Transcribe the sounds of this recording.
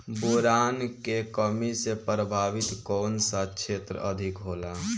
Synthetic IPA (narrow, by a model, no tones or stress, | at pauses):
boɾankekəmisepɾəbʱaʋit̪kɔːnsat͡ʃʰet̪ɾə̰əd̪ʱikɦoːla